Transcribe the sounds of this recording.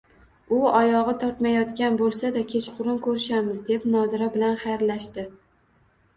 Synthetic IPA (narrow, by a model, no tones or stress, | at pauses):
ʊɒjɒʁɨt̪ʰɒɾt̪majɒt̪kʲanbolˠsad̪akʲʰe̞t͡ʃqʰʊɾʊnkʰɵɾɪʃamɪzd̪e̞pnɒd̪ɪɾabɪlanχajɾlaʃt̪ɪ